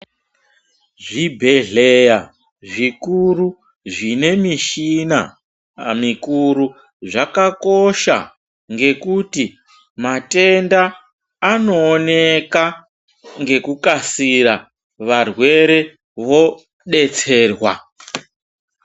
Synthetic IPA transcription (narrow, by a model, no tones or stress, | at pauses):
ʐibʱe̞ɮeja | ʐikuru | ʐine̞miʃina̰ | mikuɾu | ʐakako̞ʃa̰ | ŋɡe̞kuti | mate̞ndaː | no̞ːneka | ŋɡe̞kukasiɾa | ʋarwe̞ɾe̞ | ʋo̞ | ɗe̞t͡se̞ːrwa̰